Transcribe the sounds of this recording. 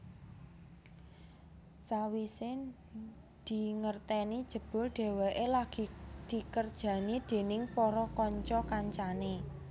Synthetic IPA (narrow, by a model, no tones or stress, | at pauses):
sawisɪn | d̪̥i̤ŋərt̪ɛni̥ʒ̥ə̤b̥ʊ̤lɖ̪̥e̤wɛʔelaɡ̥i̤d̪̥i̤kərd̥ʒ̥ä̤nid̪̥e̤nɪŋpɔɾɔkɔɲt͡ʃɔkaɲt͡ʃane